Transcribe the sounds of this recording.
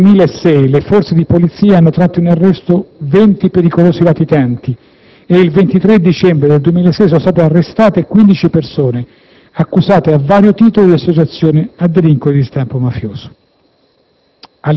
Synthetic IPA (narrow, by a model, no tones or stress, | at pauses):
miːlaesːɛjlefɔrt̪sed̪ipolit̪siːaanːot̪ɾat̪ːoinarːɛst̪ovɛnt̪ipeɾikoloːsilat̪it̪ant̪i | eilvent̪it̪ɾed̪it͡ʃɛmbɾed̪eld̪uwemilaesːɛjsɔnost̪at̪earːest̪aːt̪ekwind̪it͡ʃipersoːne | akːuzaːt̪eavːaːɾjot̪iːt̪olod̪iasːot͡ʃat̪sːjoːnead̪ːeliŋkod̪ist̪ampomafjoːso̥ | a